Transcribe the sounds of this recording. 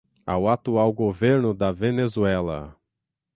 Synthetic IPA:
a̰wat̪uawɡoveɾnʊd̪ɐvenezuɛlɐ̰

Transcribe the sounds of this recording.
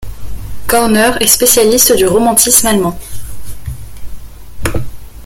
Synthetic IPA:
kɔʁnœʁɛspesjalist̪d̪yʁɔmɑ̃t̪ʰismalmɑ̃

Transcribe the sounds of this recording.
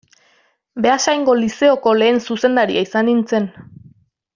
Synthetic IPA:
be̞asajŋɡo̞lise̞oko̞le̞ːnsuse̞nd̪aɾiaisanint͡se̞n

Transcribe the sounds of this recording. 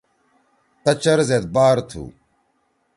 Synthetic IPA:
t̪ɐt͡ɕɐɾzet̪̚baːɾt̪ʰṵː

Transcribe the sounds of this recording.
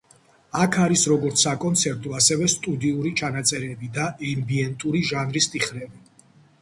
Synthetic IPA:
akʰaɾisɾɔɡɔɾt̪sʰakʼɔnt̪sʰɛɾt̪ʼuasɛvɛst̪ʼud̪iuɾit͡ʃʰanat̪sʼɛɾɛbid̪aʔɛmbiɛnt̪ʼuɾiʒanɾist̪ʼiχɾɛbi

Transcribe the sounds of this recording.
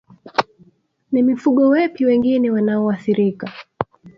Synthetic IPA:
nimifuɠɔwɛpiwɛŋɡinɛwanaɔaθiɾika

